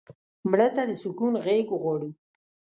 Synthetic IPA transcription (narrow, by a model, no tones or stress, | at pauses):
mɽət̪ad̪əsʊkunɣeɡɣwɑɽu